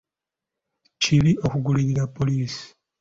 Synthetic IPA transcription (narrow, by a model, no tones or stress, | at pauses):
ciβio̞kuɡuliɾiɾapːo̞liːsi̥